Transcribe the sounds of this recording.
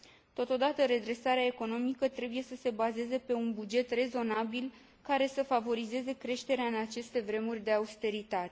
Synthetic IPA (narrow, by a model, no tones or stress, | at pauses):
t̪o̞t̪o̞d̪at̪əɾe̞d̪ɾe̞saɾeae̞ko̞no̞mikət̪ɾe̞buje̞səse̞baze̞ze̞pe̞unbud͡ʒe̞t̪re̞zo̞nabil | kaɾe̞səfavo̞ɾize̞ze̞kɾe̞ʃt̪e̞ɾeaɨnat͡ʃe̞st̪e̞vɾe̞murʲd̪e̞aust̪e̞ɾit̪at̪e